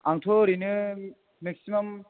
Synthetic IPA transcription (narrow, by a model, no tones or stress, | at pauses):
aŋtʰoɾinɯ | meksimam